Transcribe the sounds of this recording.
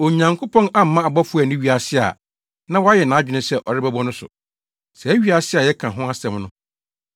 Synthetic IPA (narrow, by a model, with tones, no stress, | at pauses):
o˨ɲã˨ŋkʰo˦pʰɔ̃˦na˦m̩˦mã˦a˨bɔ˦fʊ˦ɛ˨nɪ̃˦ɥi˨˦a˨sɪ˦a̰˨ | nã˦wɔ˦a˦jɛ˨nã˨a˦d͡ʑᶣɪ˦nʊ̃˦sɛ˦˨ʔɔ˨ɾɪ˦bæ˦bɔ̃˦nʊ̃˦sʊ̰˨ | sɛ˨˦ɥi˦a˨sɪ˦a˨jɛ˦kʰã˨ɦʊ̃˦a˦sɛ̃˨mnʊ̃˦